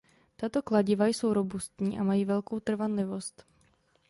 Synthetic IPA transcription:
t̪at̪o̞klaɟɪvajso̞wɾo̞bust̪ɲiːʔamajiːvɛlkowt̪r̩vanlɪvo̞st̪

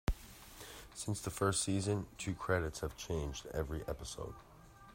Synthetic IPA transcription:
sɪ̃nsðəfɜ˞stsizɨ̃ntʰʉkʰɹ̥ɛɾɨtshɨv̥t͡ʃʰẽɪ̃nd͡ʒdɛ̰vɹiʔɛpəsoʊd̥

